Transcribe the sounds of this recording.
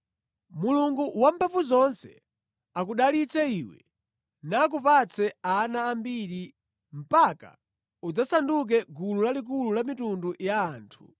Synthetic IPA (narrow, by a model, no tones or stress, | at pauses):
muluŋɡuwam̩pʰapuzɔnsɛ̰ | akuɗalit͡sɛiːwɛ̰ | naːk̬upat͡sʰɛanaːmbiɾi | m̩paka̰ | ud͡zasanduk̬ɛɡululalik̬ululamitundujaːntʰu̥